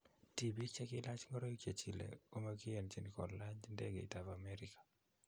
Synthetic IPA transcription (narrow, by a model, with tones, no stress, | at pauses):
tibi˦t͡ʃɛ˦kilat͡ʃŋɔ˦ɾo˦ike˨t͡ʃi˨lḛ˨o˦ma˦ki˦ɛ˨nt͡ʃi˨ni˨kɔ˨llaɲd͡ʒndɛ˦ɡḛ˨i˨ta˨vamɛɾikḁ˨